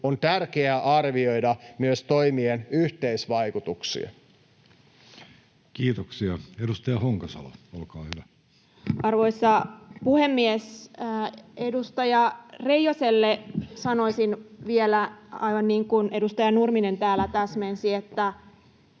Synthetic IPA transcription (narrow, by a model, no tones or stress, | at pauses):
ont̪ærkeæʔɑrʋio̞jdɑmyøst̪oimienyht̪eisʋɑikut̪uksḭɑ̰ | kiːt̪oksiɑedust̪ɑjɑhoŋkɑsɑ̰lɑ̰olkɑːhyʋæ | ʔɑrʋo̞isːɑpuhemːies | edust̪ɑjɑrejoselːesɑnoisinʋielæɑ̰iʋɑnniːŋkunʔedust̪ɑjɑnurminent̪æːlæt̪æsmensiet̪ːæ